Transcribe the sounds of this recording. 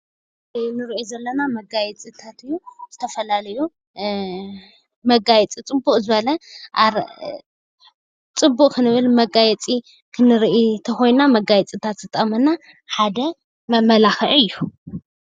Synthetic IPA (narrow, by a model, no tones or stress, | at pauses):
nɨɾiʔozɐlːɐnamɐɡajɛt͡sʼit̪ʰat̪ɨjːuz̥ɨt̪ʰɐfɐlalɐju | mɐɡajɛt͡sʼit͡sʼɨbukʼzɨβɐlɐʔa | t͡sʼɨbːuʔʼkʰɨnɨβɨlmɐɡajɛt͡sʼi | kʰɨnɨɾʔit̪ʰɐxo̞jnnamɐɡajɛt͡sʼit̪ʰat̪sɨt̪ʼːɐmɐna | ħad̪ɐ | mɐlaxɨʕɨjːu